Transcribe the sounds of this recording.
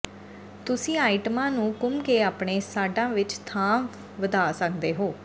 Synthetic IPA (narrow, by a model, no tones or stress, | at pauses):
t̪ʊsĩːaːɪʈəmãːnũːkʊmkeːaːpɳeːsaːɖãːʋɪt͡ʃt̪ʰãː | ʋəd̪aːsəkʰd̪eːɦoː